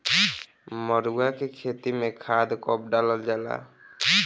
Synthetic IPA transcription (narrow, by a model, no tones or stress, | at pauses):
mɔɾuakekʰet̪imẽkʰad̪kɔp̚ɖaləld͡ʒala̰